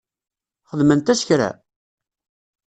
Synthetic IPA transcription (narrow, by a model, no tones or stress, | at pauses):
χəðmənt̪æsçɾæ̰